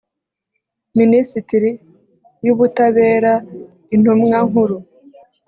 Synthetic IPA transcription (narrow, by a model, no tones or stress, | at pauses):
minisitiɾi | juβutaβe̞ːɾa | in̥humŋaŋuɾu